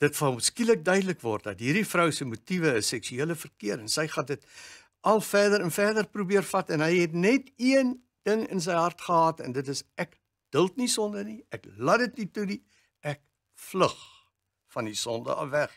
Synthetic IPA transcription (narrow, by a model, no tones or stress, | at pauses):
d̥ətfɐməskilək̚dœɥdələkvɔrtdɐtɦiːrdifrœwsəmutivəəsɛksyiələfərkiəɾənsəjχɑdət | ʔɐlˠfæːdəɾɛnfæːrdərprubiərfɐtɛnɦəjɦɛtnɛtiən | d̥əŋə̰ns̬ɛjɦɐrtχəɦɑːtɛ̰ndətəsæk | d̥əlˠtnisɔndərniʔæklɐdətnituni | ʔæk̚ | fləχ | fɐndisɔndə̰ɐ̰væχ